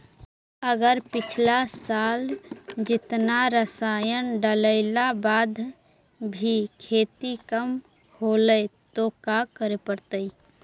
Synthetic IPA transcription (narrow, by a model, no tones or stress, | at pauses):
əɡəɾpɪt͡ʃʰlasald͡ʒɪt̪naɾəsajənɖələɪlabaːd̪ʱ | bʱikʰeːt̪ikəm | holət̪okakəɾepəɾt̪əi